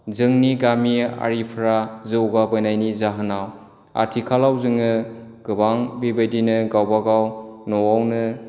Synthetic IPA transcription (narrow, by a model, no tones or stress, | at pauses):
zɯŋniɡamia̰ɾipʰɾazɯwɡabɯnajnizaɦɯnaw | a̰tʰikʰalawzɯŋɯɡ̥ɯbaŋbibedinɯɡawbaɡawnɔwawnɯ